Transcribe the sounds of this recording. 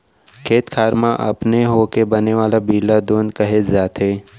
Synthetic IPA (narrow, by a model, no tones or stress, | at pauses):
kʰeːt̪kʰaːɾmãʔɐ̰pneɦoːkebɐneʋaːlabiːlad̪oːnkɐɦet̪zaːt̪eː